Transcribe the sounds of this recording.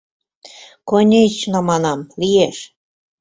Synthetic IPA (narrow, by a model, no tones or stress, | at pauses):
konʲet͡ɕnɑmɑnɑmlijeʃ